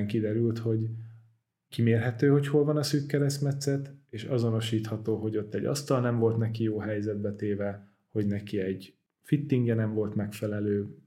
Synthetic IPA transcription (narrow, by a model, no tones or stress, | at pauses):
ŋkid̪ɛɾylt̪ho̞ɟ | kimeːrɦɛt̪øːho̞cho̞lvɒnɒsyːkːɛɾɛst̪mɛt̪sɛt̪eːʃɒzo̞no̞ʃiːt̪hɒt̪oːɦo̞ɟo̞t̪ːɛɟːɒ̰st̪ɒlnɛɱvo̞lt̪nɛkijoːɦɛjzɛd̪̚bɛt̪eːvɛ | ho̞ɟnɛkiɛɟ | fit̪ːiŋɡjɛnɛɱvo̞lt̪mɛkfɛlɛløː